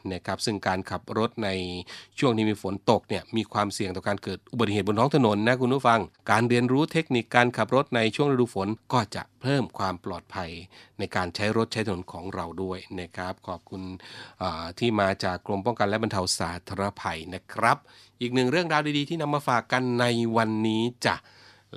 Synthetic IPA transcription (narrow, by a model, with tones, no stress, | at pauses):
na˦˥kʰɾa˦˥p̚sɯ˥˩ŋkaː˧nkʰa˨˩p̚ɾo˦˥t̪̚na˧jt͡ɕʰu˥˩ŋt̪ʰiː˥˩miː˧fo˩˦nt̪o˨˩k̚ni˥˩əmiː˧kʰwaː˧msi˨˩əŋt̪ɔː˨˩kaː˧nkɤː˨˩t̪̚ʔu˨ba˨˩t̪̚ːiheː˨˩t̚bo˧nt̪ʰːŋt̪ʰno˩˦nːa˦˥kʰu˧npʰuː˥˩fa˧ŋkaː˧nɾi˧ənɾuː˦˥t̪ʰe˦˥k̚ni˨˩kːaː˧nkʰa˨˩p̚ɾo˦˥t̪̚na˧jt͡ɕʰu˥˩əŋɾa˧duː˧˩fo˩˦nkɔː˥˩t͡ɕa̰˨˩pʰɤː˥˩mkʰwaː˧mplɔː˨˩t̪̚pʰa˧jna˧jkaː˧nt͡ɕʰa˦˥jɾo˦˥t̪̚t͡ɕa˦˥jt̪ʰa˨no˩˦nkʰɔː˩˦ŋɾa˧wdu˥˩əjna˦˥˩kʰɾa˦˥p̚kʰɔː˨˩p̚kʰu˧nʔaː˨˩t̪ʰiː˥˩maː˧t͡ɕaː˨˩kːlo˧mpɔ˥˩ŋka˧nlɛ˦˥ba˧nt̪ʰa˧wsaː˩˦t̪ʰa˧ɾa˧pʰa˧jna˦˥kʰɾa˦˥p̚ | ʔiː˨˩k̚nɯ˨˩ŋɾɯ˥˩əŋɾaː˧wdiː˧diː˧t̪ʰiː˥˩na˧mːaː˧faː˨˩kːa˧nːa˧jwa˧nːiː˦˥t͡ɕa̰˨˩